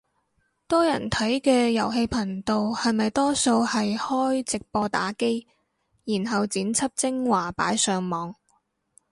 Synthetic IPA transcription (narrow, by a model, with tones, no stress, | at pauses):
t̪ɔː˥jɐ̰˨˩nt̪ʰɐ˨˥jkɛː˧jɐ˨˩wɦe˧jpʰɐ˨˩ŋt̪o˨˧whɐ˨jmɐ˨jt̪ɔː˥so˧whɐ˨jhɔː˥jt͡sɪ˨k̚pɔː˧t̪a̰ː˨˥ke˥j | jiː˨˩nɦɐ˨wt͡siː˨˥nt͡sʰɐ˥p̚t͡sɪ˥ŋwaː˨˩pa̰ː˨˥jsœː˨˧ŋmɔː˨˧ŋ